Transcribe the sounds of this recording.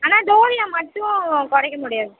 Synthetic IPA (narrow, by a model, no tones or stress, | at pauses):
aːnaːd̪oːʋɪjaːmɐʈːʊ̃kɔɽɛkːɐmʊɽɪjaːðɯ